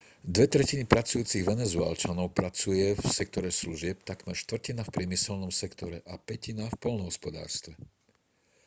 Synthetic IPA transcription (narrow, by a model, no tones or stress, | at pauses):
d̪ʋɛt̪ɾɛcinipɾat͡sujuːt͡siɣʋɛnɛzuɛ̰lt͡ʃanɔʊpɾat͡sujɛfsɛk̚t̪ɔɾɛsluʒɪɛpt̪akmɛɾʃt̪ʋɾ̩cinafpɾɪɛmisɛlnɔmsɛkt̪ɔɾɛʔapɛcinafpɔlnɔɦɔspɔd̪a̰ːɾst̪ʋɛ